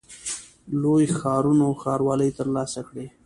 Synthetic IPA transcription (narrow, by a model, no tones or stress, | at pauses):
lojxɑːɾunoxɑɾwɑləjt̪əɾlɑsakɽe